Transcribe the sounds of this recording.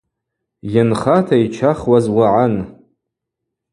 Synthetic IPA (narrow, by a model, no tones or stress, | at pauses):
janχatʰait͡ʃʰaχwazwaʕan